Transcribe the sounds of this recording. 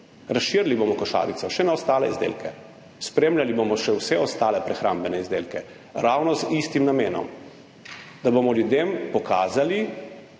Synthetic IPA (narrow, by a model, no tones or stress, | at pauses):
ɾasʃiɾlibomɔkɔʃa̰ːʋit̪sɔʃɛnaɔst̪aːlɛ̰izd̪ḛːlkɛ | spɾeːmlʲjalibomɔʃɛwsɛɔst̪aːlɛpɾɛxɾa̰mbɛnɛizd̪elkɛ | ɾawnɔzist̪imnameːnɔ̰m | d̪abomɔljud̪empɔkaːzali